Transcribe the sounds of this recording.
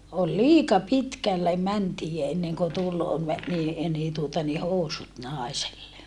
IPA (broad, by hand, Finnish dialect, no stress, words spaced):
ol liːkɑ pitkælːe mæntiː enːeŋko tul me niː niː tuotɑ ni housut nɑˑeselːe